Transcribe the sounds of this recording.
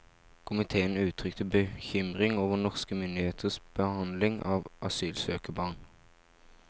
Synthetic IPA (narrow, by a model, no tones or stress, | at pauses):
kʰʊmɪt̪ʰeːənʉːt̪ʰʁʏkt̪ʰəbəçʏmʁɪŋoːʋənɔʁskəmʏnd̪ɪheːt̪ʰəsb̥əhɑnd̪lɪŋʔɑːʋʔɑsyːlsøːkəbɑːn